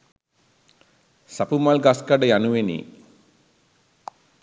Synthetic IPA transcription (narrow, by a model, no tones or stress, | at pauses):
sapumalɡaskaɖəjanuʋenḭ